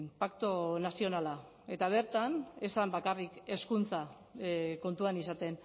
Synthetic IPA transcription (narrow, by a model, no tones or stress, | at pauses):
pakt̪onasio̞nala | e̞t̪aβ̞e̞ɾt̪ane̞sambakarike̞skunt͡sa | ko̞nt̪uanisat̪e̞n